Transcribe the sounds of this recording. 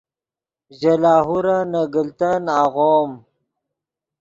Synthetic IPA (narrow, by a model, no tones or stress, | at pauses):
ʒalaːɦuɾanaɡəlt̪anaɣom